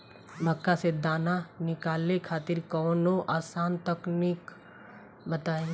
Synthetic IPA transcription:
bʱəkːased̪aːnanɪkaːlekʰaːt̪ɪɾkɔːnoʔaːsaːnt̪əknik | bɐt̪aːe

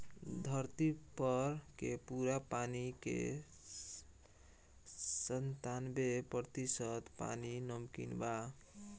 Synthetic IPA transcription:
d̪ʱəɾt̪ipʌɾkepuɾapanikḛ | sənt̪anbepət̪isət̪pa̰ninəmkḭnba

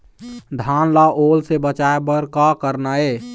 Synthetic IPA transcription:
d̪ʱaːnlaʔoːlsebət͡ʃaebəɾkakəɾnaɛː

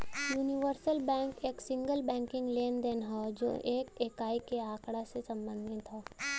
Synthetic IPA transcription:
juːnɪʋəɾsəlbɛ̃ːŋkeːksɪ̃ŋɡəlbɛ̃ːŋkɪ̃ŋɡleːnd̪eːnɦod͡ʒo̰ːʔeːkeːkaːikeaːkɽasesɐ̃mbə̃nd̪ʱɪt̪ɦoː

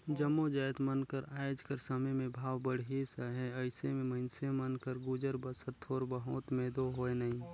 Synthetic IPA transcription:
d͡ʒəmːod͡ʒaːjt̪mənkəɾaːd͡ʒkəɾsɐmemẽbʱaːwbəɽ̤ɦisəɦɛəɪsemẽməɪnsemənkəɾɡud͡ʒəɾbəsət̪ʰɔːɾbəɦʊt̪meːd̪oɦoenɐɦĩ

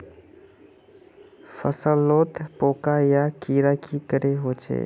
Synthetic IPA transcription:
fʰəsəlːot̪poːkajakiɾakʰikəɾeɦot͡ʃʰḛ

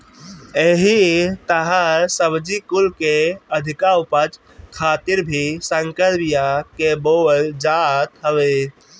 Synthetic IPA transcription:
eɦit̪əɦasəbd͡ʒikʊlkeəd̪ʱɪkaupəd͡ʒ | kʰaːt̪ɪɾbʱisəŋkəɾbijakebold͡ʒaːt̪ɦəʋe

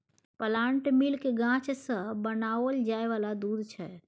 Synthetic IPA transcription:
pəlaɳʈmilkeɡãt͡ʃsə̃bənaəld͡ʒaeʋalad̪ud̪ʱt͡ʃʰɛ

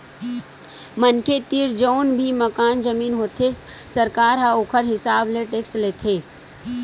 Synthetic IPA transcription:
mənkʰet̪iːɾd͡ʒoːnbʱimɐkaːnd͡ʒɐmiːnɦoːt̪ʰessɐɾkaːɾɦɐoːkʰəɾɦɪsaːbleʈeːksleːt̪ʰeː

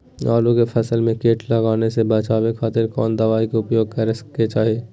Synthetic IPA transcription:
aːlukepʰɐsəlmẽkeːʈʰlɐɡaːnesebɐt͡ʃaːbekʰaːt̪ɪɾkɔːnd̪ɐʋaːikeʊpjoːɡ̚kəɾesket͡ʃaːɦeː

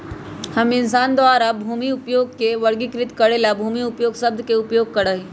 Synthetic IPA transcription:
hɐmɪnsaːnd̪ʋaːɾabʱuːmiʊpjoːɡ̚keʋɐɾɡikɾɪt̪kɐɽelabʱuːmiʊpjoːɡsɐb̚d̪keʊpjoːɡ̚kɐɽaːɦi

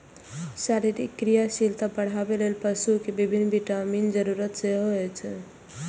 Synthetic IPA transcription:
saɾiɾḭkːɾijasilt̪apəɽ̤abelelpəsukebibʱinːbiʈəmind͡ʒəɾuɾət̪seɦoɛt͡ʃʰ

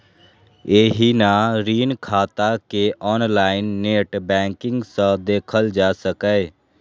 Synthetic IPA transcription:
eːɦinaɾiːnkʰaːt̪akeʔɔːnlaːɪnːeːʈbɛ̃ːŋkɪ̃ŋɡsə̃d̪eːkʰəld͡ʒaːsəkɛe

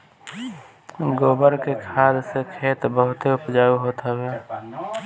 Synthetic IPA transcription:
ɡoːbəɾkekʰaːd̪sekʰeːt̪bəɦʊt̪eʊpd͡ʒaːuɦoːt̪ʰaɡaː

